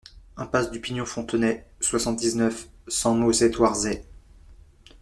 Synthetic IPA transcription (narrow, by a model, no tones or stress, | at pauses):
ɛ̃pasd̪ypinjɔ̃fɔ̃t̪ənɛswasɑ̃t̪̚d̪iznœfsɑ̃nosɛt̪waʁzɛ